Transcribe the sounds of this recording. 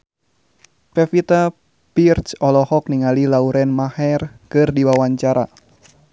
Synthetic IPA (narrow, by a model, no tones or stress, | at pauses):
pɛfit̪a | pirt͡ʃɔlɔhɔk̚niŋalilauɾɛnmahɛrkɨrdiwawaɲt͡ʃaɾa